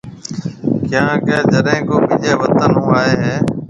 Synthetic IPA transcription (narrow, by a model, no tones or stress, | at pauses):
kjãːkeːd͡ʒəɗẽːkoːbɪʄeːʋət̪ənɦʊ̃aːeːɦeː